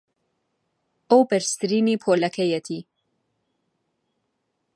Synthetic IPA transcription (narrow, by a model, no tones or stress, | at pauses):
ʔowbɛɾst̪ɨɾiːniːpʰoːlɐkʰɛjɛt̪ʰiː